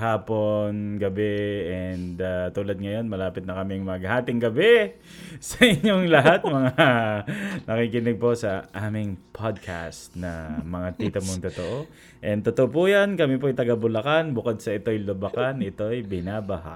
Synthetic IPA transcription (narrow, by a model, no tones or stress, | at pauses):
haːpo̞nɡɐbɛɛnd̪at̪uːlɐd̪̚ŋɐjo̞nmɐlaːpɪt̪̚nɐkɐmɪŋmɐɡ̚haːt̪ɪŋɡɐbɛ | sɐʔɪɲoŋlɐɦat̪mɐŋa | nʔɐkiːkɪnɪɡ̚po̞sɐʔaːmɪŋpʰad̪̚kʰa̰st̪nɐmɐŋat̪it̪ɐmoŋt̪ot̪oʔo | ʔɛnt̪ot̪oʔopujankɐmipoɐjt̪ɐɡɐbʊlɐkanbʊkod̪̚sɐʔɪt̪o̞jlʊbɐkanɪt̪o̞jbɪnaːbɐha̰